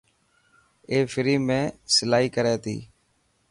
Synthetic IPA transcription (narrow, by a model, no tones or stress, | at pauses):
eːfɪɾiːmẽːsɪlaːɦiːkəɾeːt̪ḭː